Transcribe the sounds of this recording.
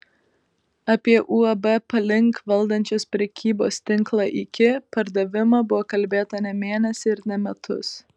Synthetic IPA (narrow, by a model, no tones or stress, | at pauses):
ɐpʲiɛʔuːɐbɛpɐlʲɪŋˑkʋɐlˠd̪ɐnʲt͡ʃʲoːspʲɾʲɛkʲiːbo̰ːsʲt̪ʲɪŋˑklˠɑʔɪkʲɪpɐɾd̪ɐʋʲɪmɑːbʊʋoːkɐlʲbʲeːt̪ɐnʲɛmʲeːnʲɛsʲɪɪɾnʲɛmʲɛt̪ʰʊ̰s